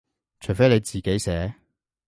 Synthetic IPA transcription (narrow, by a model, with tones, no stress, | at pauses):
t͡ʃʰɵ˨˩jfe˥jle˨˧jt͡siː˨˩ke˨˥jsɛː˨˥